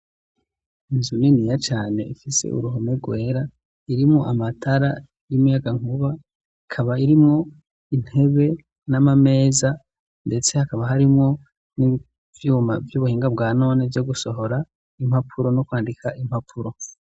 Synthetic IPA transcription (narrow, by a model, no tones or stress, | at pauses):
inzuninijat͡ʃaːne̞̰ifise̞̰ʔṵɾuɦomeɡwe̞ːɾa | iɾimŋoʔamatʰaɾa | ijumujaɡaŋ̥uβa | ikʰaβaiɾimŋo | in̥he̞βe̞ | namame̞ːza | nde̞t͡se̞hakaβaɦaɾimŋo̞ | ni | vjuːmavjuβuhiːŋɡabɡaːno̞ːnevjoɡuso̞ɦo̞ɾa | im̥hapʰuɾo̞nokwaːndikʰaʔim̥hapʰuɾo̞